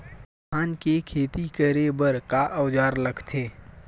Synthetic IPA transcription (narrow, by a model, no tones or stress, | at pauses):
aːnkekʰeːt̪ikəɾebəɾkaʔəʋd͡ʒaːɾləɡt̪ʰeː